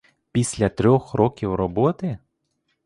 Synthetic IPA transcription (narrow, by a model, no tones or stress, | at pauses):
pʲisʲlʲɐt̪ɾʲɔxrɔkʲiwrɔbɔt̪ɪ